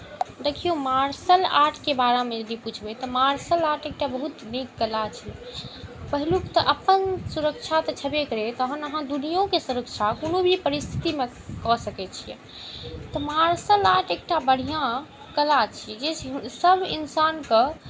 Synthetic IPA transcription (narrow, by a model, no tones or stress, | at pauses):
d̪ekʰijomaɾsəlaʈʰkebaɾamẽd͡ʒəd̪iput͡ʃʰbɛt̪ɔmaɾsəlaʈek̚ʈabəɦut̪nikːəlat͡ʃʰi | pəɦilukt̪ɔʔəpənsuɾək̚t͡ʃʰat̪ɔt͡ʃʰəbekəɾet̪ɔɦənəɦãd̪unijõkesuɾəkt͡ʃʰakonobʱipəɾist̪ʰi̥t̪ime | kɔsəkɛt͡ʃʰijɛ̰ | t̪ɔmaɾsəlaʈek̚ʈabəɽ̤ijã | kəlat͡ʃʰid͡ʒet͡ʃʰsəbʱḭnsankə